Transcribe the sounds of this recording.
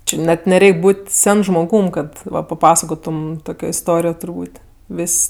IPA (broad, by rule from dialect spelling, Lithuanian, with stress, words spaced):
ˈt͡ʃʲɪ nʲɛt nʲɛˈrʲɛɪkʲ ˈbuːtʲ ˈsʲɛn ʒmoːˈɡuːm ˈkɐt ˈʋɐ pɐˈpɑːsɐkoːtʊm ˈtoːkʲoː ɪsˈtoːrʲɪjoː tʊrˈbuːtʲ ˈʋʲɪsʲ